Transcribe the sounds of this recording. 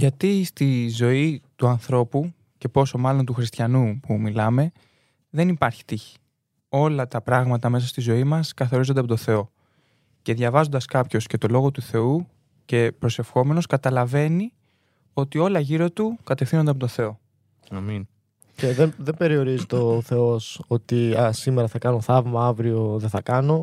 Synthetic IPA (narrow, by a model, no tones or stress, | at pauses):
ʝɐt̪ist̪izo̞it̪uɐnθɾo̞pu | ce̞po̞so̞mɐlo̞nt̪uxɾist̪çɐnupumilɐme̞ | ðe̞nipɐɾçi̥t̪içi̥ | o̞lɐt̪ɐpɾɐɣmɐt̪ɐme̞sɐst̪izo̞imɐskɐθo̞ɾizo̞nd̪ɐpot̪oθe̞o̞ | ce̞ðʝɐvɐzo̞nd̪ɐskɐpço̞sce̞t̪o̞lo̞ɣo̞t̪uθe̞u | ce̞pɾo̞se̞fxo̞me̞no̞skɐt̪ɐlɐve̞ni | o̞t̪io̞lɐʝiɾot̪ukɐt̪efθinond̪eɐp̬ot̪oθe̞o̞ | nɐmin | ceðeðembe̞ɾio̞ɾizit̪eoθe̞o̞so̞t̪iɐsimeɾɐθɐkɐno̞θɐvmɐɐvɾio̞ðe̞θɐkɐno̞